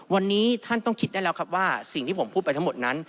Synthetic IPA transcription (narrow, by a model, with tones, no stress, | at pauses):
wa˧nːiː˦˥t̪ʰa˥˩nt̪ɔ˥˩ŋkʰi˦˥t̪̚daː˥˩lɛ˦wkʰa˦˥p̚waː˥˩si˨˩ŋʰiː˥˩o˩˦mpʰuː˥˩t̚pajt̪ʰa˦˥ŋmo˨˩t̪̚na˦˥n